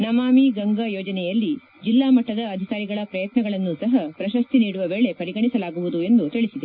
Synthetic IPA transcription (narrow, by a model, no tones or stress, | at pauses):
nɐmaːmiɡɐŋɡɐjɔːd͡ʒɐnɛjɐlːi | d͡ʒilːaːmɐʈːɐd̪ɐːd̪ʱikaːɾiɡɐɭɐpɾɐjɐt̪nɐɡɐɭɐnːusɐɦɐpɾɐʃɐst̪iniːɽuʋɐʋeːɭe̞pɐɾiɡɐɳisɐlaːɡuʋud̪ue̞nd̪ut̪iɭisid̪e